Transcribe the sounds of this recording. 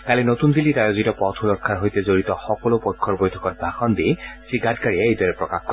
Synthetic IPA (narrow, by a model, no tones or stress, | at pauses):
kalinotundilitajozitɔpɔtʰulɔkʰːaɹɦojtɛzoɹitɔxɔkɔlopɔjkʰːɔɹbojtʰɔkɔt̚bʱaxɔndisiɡʱatkaɹiɛejdɔɹɛpɹɔkaxkɔ